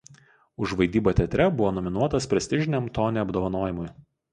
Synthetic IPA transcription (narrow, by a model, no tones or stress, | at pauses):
ʊʒʋɐɪd̪ʲiːboːt̪ʲɛt̪ʲɾʲɛbʊʋoːnɔmʲɪnuɔt̪ɐspʲɾʲɛsʲt̪ʲɪʒʲɪnʲɛmt̪oːnʲeɐbd̪oːʋɐnoːjɪmʊj